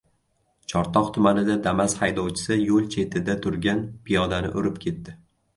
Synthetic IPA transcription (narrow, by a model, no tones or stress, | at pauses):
t͡ʃʰɒɾt̪ʰɒqt̪ʰʊmanɪd̪ad̪amashajd̪ɒwt͡ʃʰɪ̥sɪjolˠt͡ʃʰe̞t̪ʰɪd̪at̪ʰʊɾɡʲanpʰijɒd̪anɪ̰ʔʊɾɪp̚kʲʰe̞t̪ːɪ